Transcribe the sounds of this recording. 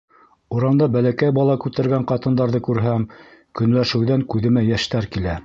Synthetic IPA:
uɾɑnd̪ɑbælækæjbɑlˠɑkʉt̪æɾɡæɴqɑt̪ɤ̆nd̪ɑɾðɤkʉɾɦæmkɵ̆nlæʃɘ̆wðæŋkʉðɘ̆mæjæʃt̪æɾkilæ

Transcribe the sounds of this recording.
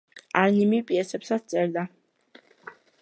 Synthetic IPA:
aɾnimipʼiɛsɛpsat̪st̪sʼɛɾd̪a

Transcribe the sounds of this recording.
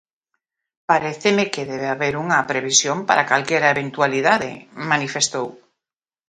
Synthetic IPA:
paɾeθemekeðeβeaβeɾuŋɐpɾeβ̞isjompaɾakalkɛɾaeβẽnt̪waliðaðḛmanifest̪ow

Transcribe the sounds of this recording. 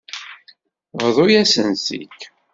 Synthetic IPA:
vðˤʊjæsənsḭk

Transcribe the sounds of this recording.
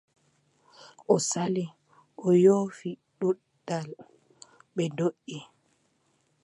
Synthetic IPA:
ʔɔsali | ʔɔjoːfiɗuɗdal | ɓɛndoʔːi

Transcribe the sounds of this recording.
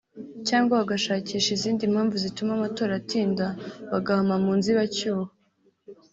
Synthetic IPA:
caːŋɡwaβaɡaʃaːciːʃiziːndim̥haːɱvuzitumamato̞ːɾatiːndaβaɡahamamuːnziβacuːha

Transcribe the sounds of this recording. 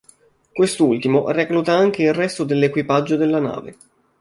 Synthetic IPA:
kwest̪ult̪imoraklut̪aaŋk̟eilrɛst̪od̪elːekwipad͡ʒːod̪elːana̰ːvḛ

